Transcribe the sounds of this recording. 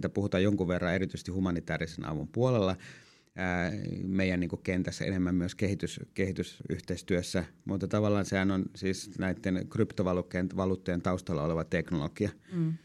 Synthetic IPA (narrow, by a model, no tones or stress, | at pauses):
t̪æpuhut̪ɑːjoŋkuʋʋerːɑeɾit̪ysest̪ihumɑnit̪æːrisenɑ̰ʋumpuolelːɑː | meˑijænniːŋkukkent̪æsːæ̰ḛnemːæmːmyøskehit̪yskehit̪ysy̰ht̪eist̪yøsːæmut̪ːɑt̪ɑʋɑlːˑɑːnsehænonsiːsnæit̪ːenkrypt̪oʋɑlukːejenʋɑluːt̪ːojent̪ɑˑust̪ɑlːɑoleʋɑt̪eknolokiɑ